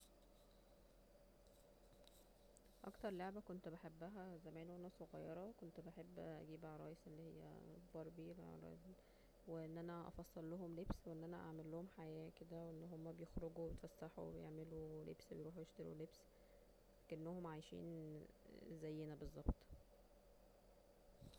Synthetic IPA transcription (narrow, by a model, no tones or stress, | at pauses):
ʔɑ̰kt̪ɑɾˤloʕbækont̪beħebːæɦæzæmæːnoænæsoɣɑjːɑɾˤɑkont̪beħebːʔæ̰ɡiːbʕɾˤɑ̰ːjesʔelːihejːæ̰bɑɾˤbḭˤ | weʔenːʔænæʔɑ̰fɑsˤːɑlːoɦomlebsweʔenːʔænæʔaʕmelːohomħajæːked̪æweʔenːɦomːæbejexɾoɡueet̪fæsːaħṵwḛbejḛʕmelulḛbsbejɾuːħjeʃt̪eɾṵlebs | ækʔenːohomʕajʃḭːn | zæjːenæbezˤːɑbt̪ˤ